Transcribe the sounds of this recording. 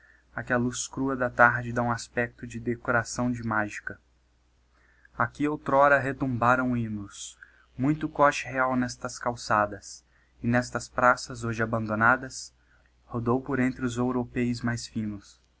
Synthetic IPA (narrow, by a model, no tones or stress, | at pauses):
akɛɐluskɾuɐd̪ɐt̪aɾd͡ʒɪd̪aũaspɛk̚t̪ʊd͡ʒɪd̪ekoɾasɐ̃w̃d͡ʒɪmaʒikɐ | akiowt̪ɾɔɾɐɦet̪ũmbaɾɐ̃w̃ĩnʊs | mũj̃t̪ʊkɔt͡ʃɪɦeawnɛst̪ɐskawsad̪ɐs | ɪnɛst̪ɐspɾasɐzoʒɪabɐ̃nd̪onad̪ɐs | hod̪owpoɾẽnt̪ɾɪʊzewɾopejʊzmajsfĩnʊs